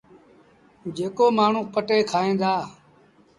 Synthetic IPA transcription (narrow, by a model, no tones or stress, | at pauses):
d͡ʒeːkoːmaːɳ̤ũːpəʈeːkʰaːẽːd̪aː